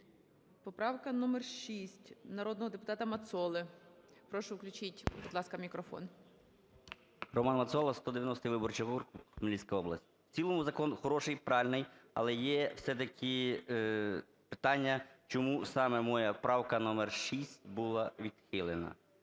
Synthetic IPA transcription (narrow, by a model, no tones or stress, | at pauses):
pɔpɾɑwkɐnɔmɛrʃisʲtʲnɐɾɔd̪nɔɦɔd̪epʊ̥t̪ɑt̪ɐmɐt̪sɔlˠɪpɾɔʃʊwklʲʊt͡ʃitʲbud̪lˠɑskɐmʲikɾɔfɔ̰n | rɔmɑnmɐt̪sɔlˠɐst̪ɔd̪eʋʲjɐnɔst̪ɪʋɪbɔrt͡ʃɐɦurkmlʲisʲkɐjɔblˠɐ̰sʲtʲwt͡sʲilˠɔmuzɐkɔnxɔɾɔʃɪjpɾɑlʲnɪjɐ̰lˠɛjɛwsɛt̪ɐkʲʰɪ | pɪ̥t̪ɑnʲːɐt͡ʃɔmusɑmɛmɔjɐpɾɑwkɐnɔmɛrʃisʲtʲbulˠɐʋʲid̪̥xɪlˠenɐ̰